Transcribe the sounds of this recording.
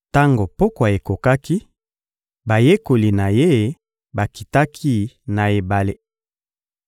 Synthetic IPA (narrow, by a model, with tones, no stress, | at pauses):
ta˦ŋɡo˨po˦ka˨e˨ko˨ka˦ki˦ | ba˨je˦ko˨li˨na˨je˦ | ba˨ki˨ta˦kʰi˦na˨e˨ba˨le˦